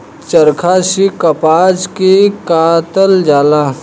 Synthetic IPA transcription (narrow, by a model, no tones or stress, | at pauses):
t͡ʃəɾkʰaʃikɐpaːd͡ʒkikaːt̪əld͡ʒaːla